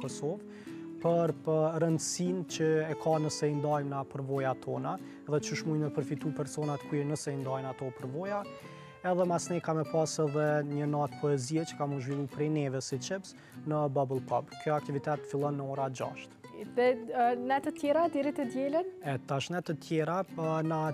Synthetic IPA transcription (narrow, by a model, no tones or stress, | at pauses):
kɔsɔv | pəɾpəɾənd̪sint͡ʃəɛkʰanəsɛind̪ajmnapəɾvɔjat̪ʰɔna | ɛðɛt͡ʃəʃmujməpəɾfit̪upɛɾsɔnat̪kuɛnəsɛind̪ajnat̪ɔpəɾvɔja | ɛðɛmasnɛkamɛpasɛðɛɲənat̪pɔɛziɛt͡ʃə̥kamũnd̪ʒvilˠupɾɛnɛvɛsit͡ʃɛbz | nəbabəlˠpʰɔbkjɔak̚t̪ivit̪ɛt̪ːəfilˠɔnːəɔɾad͡ʒa̰ʃt̪ðɛnɛt̪ət̪jɛɾad̪ɛɾit̪əd̪jɛlənɛt̪aʃnɛt̪ət̪ʰjɛɾana